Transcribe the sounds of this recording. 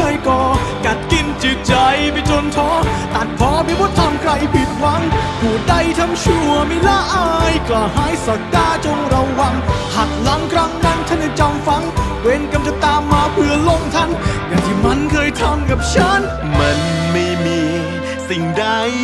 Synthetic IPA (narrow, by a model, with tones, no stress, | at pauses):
aː˧jkɔː˨˩ka˨˩t̪̚ki˧nt͡ɕɯ˨˩k̚t͡ɕa˧jpi˧˥t͡ɕʰo˧nt̪ʰɔː˧˥t̪a˨˩t̪̚pʰɔː˧˦pi˧˥˦buː˦˥t̪̚ʰa˧mkʰɾa˧jpʰi˨˩t̪̚wa˧˥ŋpʰuː˨˧˩da˧˩jt̪ʰa˧mt͡ɕʰu˧˩˧əma˧˩jlaː˧˥˩ʔaː˧jklaː˨˩haː˧˥˩jsa˨˥k̪̚kaː˧˩t͡ɕo˧ŋɾa˧wːa˧ŋha˨˩t̪̚la˨˦˥ŋkʰɾaː˧˥ŋnaː˧˩ŋt͡ɕ̪ʰa˧˥na˧˩t͡ɕa˧mfa˧˥ŋ | we˧nka˧mt͡ɕa˨˧˩t̪aː˧mːaː˧pʰɯ˧əlo˧˩ŋt̪ʰa˧˥˩nkaː˨˩t̪ʰiː˧˩ma˧˥nkʰɤː˧jt̪ʰa˧˥mka˨˩p̚t͡ɕʰa˦˥n | ma˧nma˧˩jmiː˧ | si˨˩ŋda˧j